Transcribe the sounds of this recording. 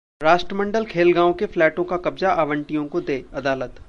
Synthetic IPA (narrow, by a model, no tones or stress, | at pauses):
ɾaːʃʈɾəmə̃ɳɖəlkʰeːlɡãːõkeflɛːʈõkakɐbzaʔaːʋə̃ɳʈijõkod̪eːɐd̪aːlət̪